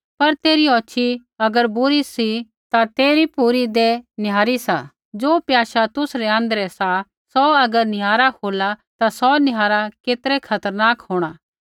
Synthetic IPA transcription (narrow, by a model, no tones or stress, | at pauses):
pɐɾt̪eːɾiɔːt͡ʃʰiɐɡəɾbʊɾisi | t̪at̪eːɾipuɾid̪enɪjaːɾisa | d͡ʒoːpjaːʃat̪ʊsɾɛɐ̃nd̪ɾɛsa | sɔɐɡəɾnɪjaːɾahoːlat̪asɔnɪɦaːɾakeːt̪ɾɛkʰɐt̪əɾnaːkɦoːɽ̃aː